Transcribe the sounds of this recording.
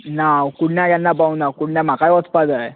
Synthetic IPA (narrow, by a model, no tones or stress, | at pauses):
nawkuɽnjajjanːapaunakuɽnjam̤akajɔt͡spad͡zaj